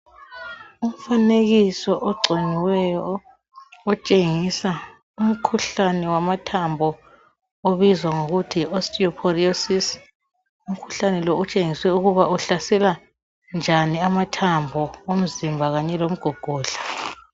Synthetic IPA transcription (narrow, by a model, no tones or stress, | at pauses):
um̩faneɣisɔʔɔɡ͡ǀʱeniwɛjɔ | ɔt͡ʃʼeŋisa | um̩kʰuɬanɛwamatʰambʱɔ | oβizwaŋoɣutʰiɔstʼiɔpʰɔriosis | um̩kʰu̥ɬanɛlɔut͡ʃʼeŋiswɛuɣuβauɬasɛla | nd͡ʒʱaniamatʰambʱɔom̩zimbʱaɣaɲɛlom̩ɡ̥ʱɔɡ̥ʱɔːɬḁ